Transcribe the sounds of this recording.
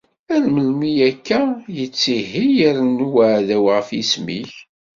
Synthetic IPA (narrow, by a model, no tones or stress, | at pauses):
ænməlmijækːæjət͡sːiɦijəɾnuwaʕðæwʁəfismiç